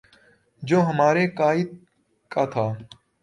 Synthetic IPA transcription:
d͡ʒoːɦəmaːɾeːkaːɪd̪̚ | kaːt̪ʰaː

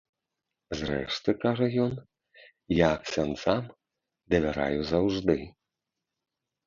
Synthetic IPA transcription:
zrɛ̰ʂt̪ɨkaʐɐjɔn | jaksʲansam | d̪ɐvʲaɾa̰juzawʐd̪ɨ

